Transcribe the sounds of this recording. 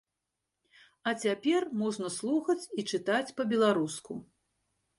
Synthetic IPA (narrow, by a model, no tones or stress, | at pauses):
ɐt͡sʲapʲɛrmɔʐnɐslˠuxɐt͡sʲit͡ʂɨt̪at͡sʲpɐbʲɛlˠaɾusku